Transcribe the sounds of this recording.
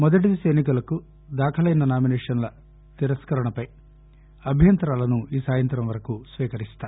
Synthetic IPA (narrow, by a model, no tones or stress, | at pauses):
mɔd̪ɐʈ̬id̪isɐjnik̬ulɐku | d̪aːkʰɐlɐjnɐnaːminɛːʂɐnlɐ | t̪iɾɐskɐɾɐɳɐpɐj | ɐbʱjɐnt̪ɾaːlɐnuiːsaːjɐnt̪ɾɐmʋɐɾɐkusʋiːkɐɾist̪aː